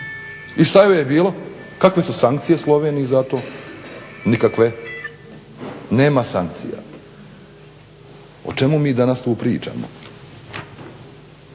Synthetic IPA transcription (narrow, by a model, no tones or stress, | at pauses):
iʃt̪ajojebiːlˠo̞ | kakʋe̞susaŋkt̪sije̞slˠo̞ʋeːniizat̪o̞ː | nikakʋe̞ | neːmasaŋk̚t̪sḭja̰ | o̰t͡ʃe̞mumiːd̪anast̪uːpɾiːt͡ʃa̰mo̰